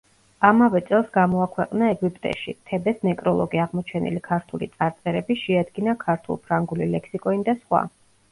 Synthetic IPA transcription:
amavɛt̪sʼɛlˠsɡamɔakʰwɛqʼnaɛɡwipʼt̪ʼɛ̰ʃḭt̪ʰɛbɛsnɛkʼɾɔlˠɔɡiaʁmɔt͡ʃʰɛnḭlikʰaɾt̪ʰulḭt̪sʼaɾt̪sʼɛɾɛbiʃɛad̪ɡinakʰaɾt̪ʰṵlˠpʰɾaŋɡulilɛkʰsikʼɔnid̪asχwa̰

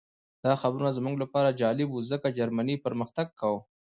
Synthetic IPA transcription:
d̪̥ɑxabɾunazmuŋɡlapɑɾad͡ʒɑlɪbuzəkad͡ʒaɾmanipəɾməxt̪aɡ̚kawə

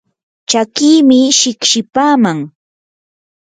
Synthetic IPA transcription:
t͡ʃakiːmɪʃɪkʃɪpaːmaŋ

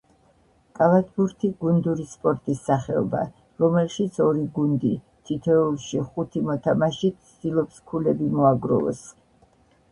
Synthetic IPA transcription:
kʼavat̪ʰbuɾt̪ʰiɡund̪uɾispʼɔɾt̪ʼisːaχɛɔ̰ba̰ | ɾɔmɛlʃit̪sʰɔɾiɡund̪i | t̪ʰit̪ʰɛulˠʃiχut̪ʰimɔt̪ʰamaʃit̪sʰd̪̥ilˠɔpskʰulɛbimɔaɡɾɔ̰vɛ̰s

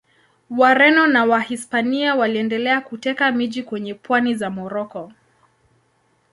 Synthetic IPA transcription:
waɾɛnɔnawahispaniawaliɛndɛlɛakutɛkamiʄikwɛɲɛpwanizamɔɾɔkɔ

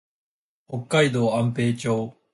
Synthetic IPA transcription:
hokːaid̪oːãmpe̞ːt͡ɕoː

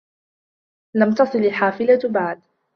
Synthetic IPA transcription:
lamt̪ɑsˤɨlɪħaːfɪlabaʕd̪

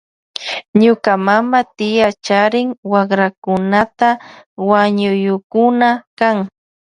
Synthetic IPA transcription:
ɲʊkamamat̪ɪjat͡ʃaɾɪŋwɑχɾakʊnat̪awaɲʊjʊkʊnakaŋ

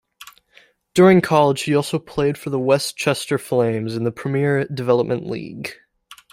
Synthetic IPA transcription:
d̥ʊɹɪ̃ŋkʰɑlˠə̥ʒ̥hiɔlˠsoʊpʰl̥eɪd̥fə˞ðəwɛst͡ʃʰɛstə˞flẽɪ̃mzɨ̃nðəpʰɹ̥ɨmɪɹdɨvɛlˠəp̚mɨ̃nʔlḭɡ̥

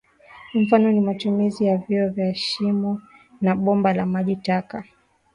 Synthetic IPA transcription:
ɱ̩fanɔnimatumizijavjiɔvjaʃimu | naɓɔmbalamaʄitaka

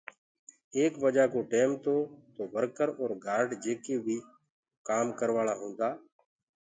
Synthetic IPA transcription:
eːkʋəd͡ʒaːkoːʈeːmt̪oːt̪oːʋəɾkəɾɔːɾɡaːɾɖd͡ʒeːkeːbʱiː | kaːmkəɾʋaːɭaːɦõːnd̪aː

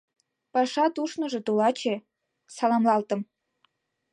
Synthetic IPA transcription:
pɑʃɑt̪uʃnɤ̆ʒĕt̪olɑt͡ɕe | sɑlɑmlɑlt̪ə̆m

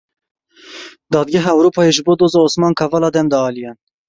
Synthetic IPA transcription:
d̪ɑːd̪ɡʲɛɦɑɛwɾoːpʰɑːjeʒɨboːd̪oːzɑːoːsmɑːnkʰɑvɑlɑːd̪ɛmd̪ɑɑːlijɛn

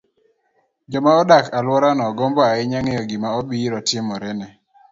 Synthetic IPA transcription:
d͡ʒɔmaɔdakalwɔɾanɔɡɔmbɔaɪɲaŋejɔɡimaɔbiɾɔtɪmɔɾɛnɛ

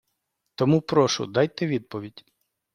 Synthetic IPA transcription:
t̪ɔmupɾɔʃʊ̰d̪ɑjt̪ɛʋʲid̪̚pɔʋʲidʲ

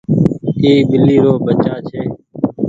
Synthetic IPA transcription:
iːɓɪlːiːɾoːbət͡ʃaːt͡ʃʰeː

